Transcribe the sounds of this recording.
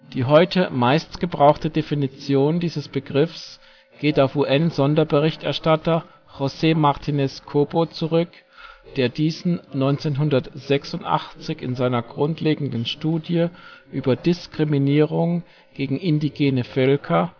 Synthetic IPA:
d̥iːɦɔʏtʰəmaɪstɡ̥əbʁaʊxtədefinit͡sjoːndiːzəsb̥əɡʁɪfs | ɡ̥eːtaʊfuːʔɛnzɔndɐbəʁɪçtɛɐʃtatɐ | ʁoseːmaɐtʰinɛskʰoːbot͡suʁʏk | d̥eːɐdiːzn̩nɔʏnt͡seːnɦʊndɐtz̥ɛksʊntʔa̰χt͡sɪçɪ̰nzaɪnɐɡʁʊntleːɡŋ̩dn̩ʃtuːdjəʔyːbɐdɪskʁ̥iminiːʁʊŋ | ɡ̥eːɡŋ̩ɪndiɡeːnəfœlkʰɐ

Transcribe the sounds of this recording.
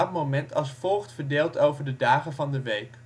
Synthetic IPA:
ɑt̚momɛntɑlˠsfɔlˠχtfəɹdeːlˠtowvəɹdədaːχənvɑndəʋejk

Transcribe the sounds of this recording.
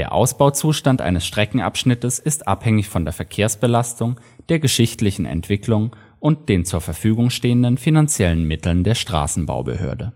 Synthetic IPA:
d̥eːɐʔa̰ʊsb̥aʊt͡suːʃtantʔa̰ɪnəsʃtʁ̥ɛkŋ̩ʔa̰pʃnɪtəsɪstʔa̰phɛŋɪçfɔndeːɐfɛɐkʰeːɐsb̥əlastʊŋ | d̥eːɐɡəʃɪçtlɪçn̩ʔɛ̰ntv̥ɪklʊŋ | ʔʊnt̚d̥eːnt͡suːɐfɛɐfyːɡʊŋʃteːəndənfinant͡sjɛlənmɪtl̩ndeːɐʃtʁ̥a̰ːsn̩ba̰ʊbə̰hø̰ːɐdə

